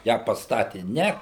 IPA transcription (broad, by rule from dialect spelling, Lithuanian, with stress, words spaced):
jæː pɐsˈtɑːtʲɪ ˈnʲɛ